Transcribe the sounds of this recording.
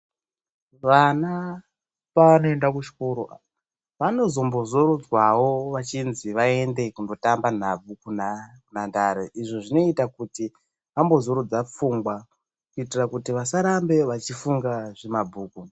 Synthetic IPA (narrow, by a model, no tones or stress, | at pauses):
ʋana | paʋano̞endakuʃkoɾo | ʋano̞zo̞mbo̞zo̞ɾod͡zwawo̞ʋat͡ʃinziʋae̞nde̞kundo̞tamban̤ab͡vukunaunandaɾeʔiʐo̞ʐino̞itakuti | ʋambo̞zoɾod͡zap͡fuŋɡwa | kuitirakutiʋasaɾambe̞ʋat͡ʃifuŋɡaʐemabʱuːku